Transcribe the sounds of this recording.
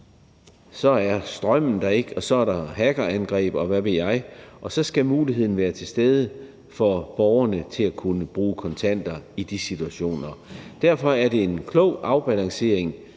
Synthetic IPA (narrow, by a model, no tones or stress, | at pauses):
sɒ̽æɐsd̥ʁɶm̰n̩d̥ɑe̝ɡ̥ɒ̽sɒ̽æɐɾɑ̈ɦæɡ̥ɐænɡ̥ʁɛ̰ːb̥ɒ̽ʋæʋe̝ljɑ̈ɪʔɒ̽sɒ̽sɡ̥æmuːliɦe̝ð̞̰ˠn̩ʋæːɐt͡sʰe̝lsd̥eð̞ˠə | fɒb̥ɒʊɐnət͡sʰe̝lækʰunəb̥ʁuːkʰɒ̽nt͡sʰæn̰d̥ɐid̥isit͡sʰuæɕo̝̰ːnɐd̥æɐ̰fɒ̽æɐɾ̥e̝e̝nkʰlɔʊ̰ʔɑ̈ʊb̥ælɑ̈ŋse̝ɐ̰eŋ